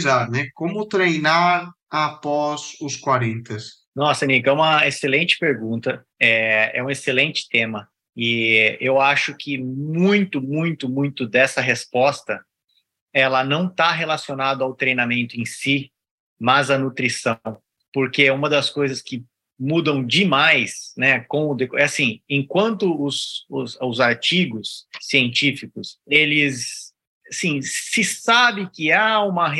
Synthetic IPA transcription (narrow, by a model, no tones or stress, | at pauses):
zad̪nɛkõmʊt̪ɾejnaɾ | apɔzʊskwaɾẽnt̪ɐs | nɔsɐnikɛũmɐeselẽnt͡ʃɪ̥peɾɡũnt̪ɐ | ɛɛ̰ũeselẽnt͡ʃɪ̥t̪ẽmɐ | ɪewaʃʊkʰɪmũj̃t̪ʊmũj̃t̪ʊmũj̃t̪ʊd̪ɛsɐɦespɔst̪ɐ | ɛlɐnɐ̃w̃t̪aɦelasionad̪ʊawt̪ɾejnamẽnt̪ʊẽsi | mɐzɐnut̪ɾisɐ̃w̃ | poɾkeɛũmɐd̪ɐskojzɐskɪ | mud̪ɐ̃w̃d͡ʒɪmajsnɛkõw̃ʊd̪ekɛasĩẽkwɐ̃nt̪ʊʊsʊzʊzaɾt͡ʃiɡʊsːiẽnt͡ʃifikʊselɪs | asĩːɪsabɪkɪaũmɐɦ